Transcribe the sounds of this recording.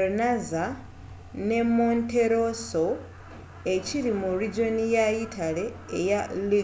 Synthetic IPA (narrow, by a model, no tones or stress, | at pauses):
naza | ne̞mːonte̞ɾo̞so̞ | e̞ciɾimurid͡ʒo̞nijaitʰale̞ː | jali